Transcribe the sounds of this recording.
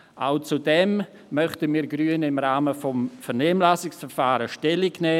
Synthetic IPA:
ʔaʊt͡sudɛm | mœχtəmiːɾɡɾyənɪmɾaːməfɔmfɛɾnɛːmlaːsɪksfɛɾfaːɾəʃtɛlɪɡnɛː

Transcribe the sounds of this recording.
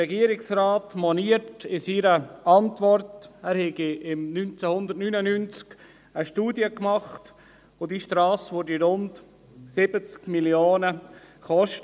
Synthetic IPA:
ɛɡiːəɾɪksraːtmɔniətɪsiɾəʔɑntʋɔrtæɾhɛɡiɪmnynt͡sɛhʊnd̪ətnynənynt͡sk | əʃtuːdjəkmɑχt | odiʃtɾɑːsʋodiɾʊnd | sɪbət͡skmiljoːnə | χɔʃt

